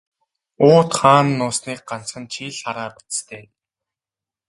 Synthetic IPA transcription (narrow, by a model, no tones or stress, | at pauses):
ʊːt̪χaːnːʊːsniːk̚ɢan̥t͡sχə̆nt͡ɕʰiːɮχaɾaːpʊ̥t͡sst̪ʰeː